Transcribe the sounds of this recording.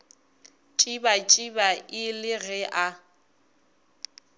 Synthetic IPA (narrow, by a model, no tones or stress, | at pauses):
t͡ʃʼibat͡ʃʼibaʔɪlɪɣɛʔa